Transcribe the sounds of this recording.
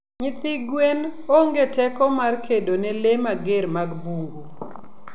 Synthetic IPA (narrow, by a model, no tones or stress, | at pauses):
ɲɪt̪ɪɡwenoŋɡetɛkɔmarkʰedonɛlemaɡeɾmaɡbuŋɡu